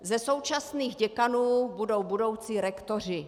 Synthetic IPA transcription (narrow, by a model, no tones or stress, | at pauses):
zɛso̞wt͡ʃasniːɣɟɛkanuːbudo̞wbudo̞wt͡siːɾɛkt̪or̝ɪ